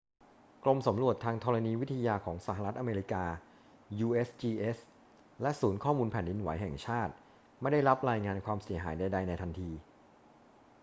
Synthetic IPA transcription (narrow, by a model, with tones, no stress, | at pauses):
klo˧msa˩˦mɾu˨˩ət̪ʰːaː˧ŋt̪ʰɔː˧ɾa˧niː˧wi˦˥t̪ʰːa˧jaː˧kʰɔː˩˦ŋsa˨˩ɦa˧ɾa˦˥t̪̚ʔa˧meː˧ɾi˦˥kaː˧ | juː˧ʔeː˦˥st͡ɕiː˧ʔe˦˥s | lɛ˦˥ʔsuː˩˦nkʰɔː˥˩muː˧npʰɛː˨˩ndi˧nwa˩˦jɦɛː˨˩ŋt͡ɕʰaː˥˩t̪̚ | ma˥˩jda˥˩jɾa˦˥p̚ɾaː˧jŋaː˧nkʰwaː˧msi˨˩˦ɐɦaː˩˦jda˧jda˧jna˧jt̪ʰa˧nt̪ʰiː˧